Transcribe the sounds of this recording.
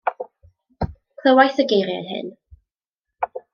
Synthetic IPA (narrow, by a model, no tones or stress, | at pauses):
kʰl̥ˠəwajθəɡejɾja̰jhɪ̰n